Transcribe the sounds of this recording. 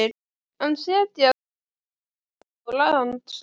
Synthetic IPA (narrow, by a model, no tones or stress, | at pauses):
ɪ | hanːsɛːt̪ɪa | ɔlaɣðant̪s